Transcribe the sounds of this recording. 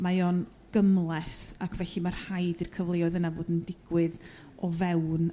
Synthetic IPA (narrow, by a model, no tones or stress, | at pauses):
majoːn | ɡ̥əmlˠɛsakʰvɛɬimarhajdirkʰəvlˠeɔðənavoːdəndɪɡ̥wɨð | ɔvɛwn